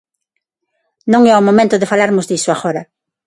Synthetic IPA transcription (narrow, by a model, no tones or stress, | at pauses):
nõŋɛomõmẽnt̪oðɪfalaɾmʊzðisoaɣoɾɐ